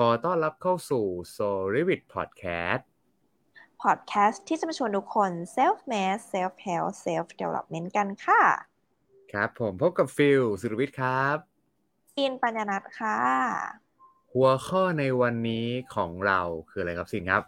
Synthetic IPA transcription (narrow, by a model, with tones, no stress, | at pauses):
kʰɔː˧t̪ɔː˥˩nɾa˦˥p̚kʰa˥˩wsuː˨˩soː˧ɾi˦˥wi˨˩t̪̚pʰɔ̰ː˨˩t̪̚kʰɛ̰ː˦˥s̚ | pʰɔ˨˩t̪̚kʰɛː˦˥st̪ʰːiː˥˩t͡ɕa˧ma˧t͡ɕʰu˧əntu˦˥kʰːo˧nseː˦˥fmɛː˦˥sːe˦˥fhe˦wse˦˥fdḛ˧wlɔ̰˧˩p̚me˦˥nka˧nkʰa˥˩ | kʰɾa˦˥pʰːo˩˦mpʰo˦˥p̚ka˨˩p̚fi˧wsu˨˩ɾa˧wi˦˥t̪̚kʰɾa˦˥p̚ | siː˧npa˧njaː˧na˦˥t̪̚kʰaː˧˥˩ | hu˨˩˦ɐxʰɔː˥˩na˧jwa˧nːiː˦˥kʰɔː˩˦ŋɾa˧wkʰɯː˧a˧ɾa˧jkʰa˧p̚siː˧˩nkʰɾa˦˥p̚